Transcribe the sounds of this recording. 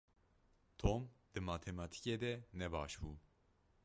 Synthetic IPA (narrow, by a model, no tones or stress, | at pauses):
t̪ʰomd̪̥ɨmɑːt̪ʰemɑt̪ʰi̥ced̪ɛnɛbɑ̰ːʃbuː